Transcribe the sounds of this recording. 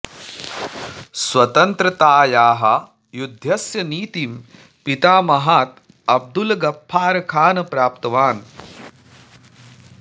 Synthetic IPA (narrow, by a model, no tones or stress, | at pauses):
swɐt̪ɐnt̪ɾɐt̪aːjaːɦɐ | jud̪ʱjɐsjɐniːt̪im | pit̪aːmɐɦaːt̪ | ɐb̚d̪ulɐɡɐpʰːaːɾɐkʰaːnɐpɾaːp̚t̪ɐʋaːn